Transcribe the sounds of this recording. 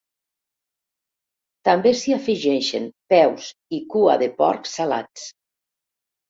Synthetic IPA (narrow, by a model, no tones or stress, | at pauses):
t̪ambesiafiʒɛʃḛnpɛwsikua̰ðepɔ̰ɾksala̰t͡s